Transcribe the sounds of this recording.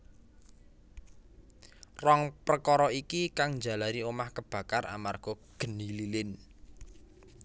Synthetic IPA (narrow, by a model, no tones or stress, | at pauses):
rɔŋprəkɔɾɔikikaŋnd͡ʒa̤laɾiomahkəb̥ä̤kara̰marɡ̥ɔ̤ɡ̥ə̤nililɪn